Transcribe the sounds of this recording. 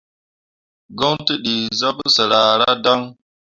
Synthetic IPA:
ɡo˦ŋti˦ɗi˨za˦psə˨ɾa˨ɾa˦da˦ŋ

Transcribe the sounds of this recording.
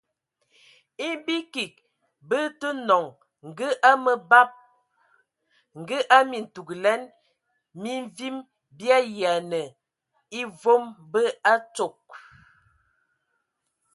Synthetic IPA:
i˦bi˦ki˨k̚ | bə˦tə˦nɔ˨ŋ | ŋ̩˨ɡə˦ʔa˦mə˨ba˦p̚ | ŋ̩˨ɡə˦ʔa˦mi˨n̩˨tu˨ɡlɛ˦n | mi˦ɱvi˦m | bja˦ja˨nə˨ | i˦vo˦mbə˦a˦t͡ʃo˨k̚

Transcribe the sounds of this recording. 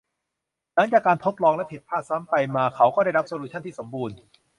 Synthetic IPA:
na˦˥ŋt͡ɕaː˨˩kːaː˧nt̪ʰo˦˥t̪̚lɔː˧ŋlɛ˦˥pʰe˨˩t̪̚pʰaː˥˩saː˦˥mpa˧jmaː˧kʰa˦˥wkɔː˥˩ɾa˥˩jɾa˦˥p̚soː˧luː˧t͡ɕʰa˥˩nt̪ʰiː˥˩so˩˦mbuː˧n

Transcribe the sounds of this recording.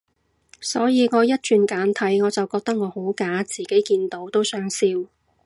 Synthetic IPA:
sɔː˨˥jiː˨˧ŋɔː˨˧jɐ˥t̚t͡ʃyː˨˧nkaː˨˥nt̪ʰɐ˨˥jŋɔː˨˧t͡sɐ˨wkɔː˧k̚t̪ɐ˥k̚ŋɔː˨˧ho˨˥wkaː˨˥t͡siː˨ke˨˥jkiː˧nt̪o˨˥wt̪o˥wsœː˨˥ŋsiː˧w

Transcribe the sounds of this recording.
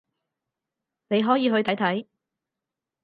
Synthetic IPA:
ne˨˧jɦɔː˨˥jiː˨˧ɦɵ˧ɥt̪ʰɐ˨˥jt̪ʰɐ˨˥j

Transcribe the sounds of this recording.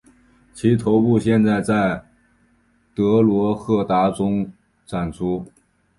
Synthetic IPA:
t͡ɕʰi˧˥t̪ʰo˧˥ʊpu˥˧ɕjɛ˥˧nt͡sa˥˧ɪt͡sa˥˩ɪ | t̪ɤ˧˥lwɔ˧˥xɤ˥˩t̪a˧˥ʈ͡ʂʊ˥ŋ | ʈ͡ʂʰa˨˩nt͡sʰu˥

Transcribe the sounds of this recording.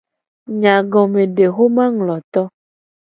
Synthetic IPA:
ɲã˨ɡɔ˨mẽ˨ɖe˨xo˦mã˦ŋlɔ˨t̪ɔ˦

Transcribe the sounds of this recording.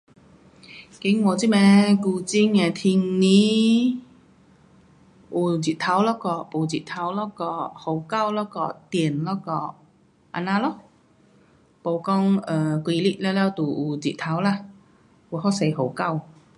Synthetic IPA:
ki˨˥ŋwɔː˨˧t͡si˥mɛ˧˥kuː˧t͡si˥ŋɛ˧˩t̪ʰi˧ŋni˨˥ | ʔuː˨˩t͡si˨t̚t̪ʰa˨˥wlɔː˦˥kɔː˧po˨˩wt͡si˨˩t̪ʰa˨˥wlɔː˦˥kɔ˧˩ho˨˥wka˥˧wlɔː˦˥kɔ˧t̪i˨˩nlɔ˦˥kɔː˧˩ | ʔa̰˧naː˧lɔ˦˥ | po˨˧wkɔ˧ŋəː˨˩kwi˧li˦˥ʔ̚lɛ˧˥lɛ˥˧t̪uː˨˩ʔuː˨˧˩t͡sḭ˨t̪ʰa˨˥wlaː˧ | ku˨˧hɔ˥se˨˧jɦo˨˧˦wka˥˩w

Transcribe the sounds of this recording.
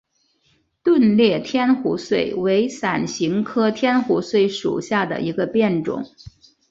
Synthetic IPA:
t̪wə˥˧nljɛ˥˩t̪ʰjɛ˥nxu˧˥swe˥˩ɪwe˧˥ɪsa˨˩nɕi˧˥ŋkʰɤ˥t̪ʰjɛ˥nxu˧˥swe˥˩ɪʂṵ˨˩ɕja˥˩d̪ə̰˩i˧˥ɡə˧pjɛ˥˩nʈ͡ʂʊ̰˨˩˦ŋ

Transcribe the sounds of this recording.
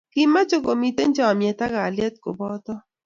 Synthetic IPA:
ki˦ma˦t͡ʃo˦ko˨mi˨te˦n˦d͡ʒɔ˦˨mjɛ˨t̪a˦ka˨ljɛ˦t̪̚ko˨bɔ˦t̪ɔ˦

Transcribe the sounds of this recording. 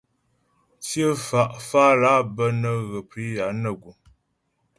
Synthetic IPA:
sjə˦fa˨ʔfa˦la˦bə˦nə˦ɣə˨pi˨˦ja˨˦nə˦˨ɡu˨

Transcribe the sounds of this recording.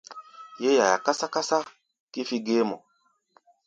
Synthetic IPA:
je˦ja˨ja̰˨ka˦sa˦ka˦sa˦ | ki˦fi˦ɡe˦mɔ̰˨

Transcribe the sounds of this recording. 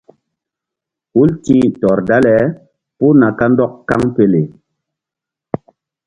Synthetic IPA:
u˦lti˦tɔ˨ɾda˦lɛ˨˦ | pu˦na˨ka˦n˦dɔ˦kka˦ŋpe˦le˨

